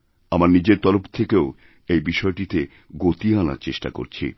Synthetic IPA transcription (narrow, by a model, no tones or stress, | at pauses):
amaɾnid͡ʑeɾt̪ɔɾopt̪ʰekeo | ejbiʃɔeʈit̪e | ɡot̪iana̰ɾt͡ɕeʃʈa̰ko̰ɾt͡ɕʰḭ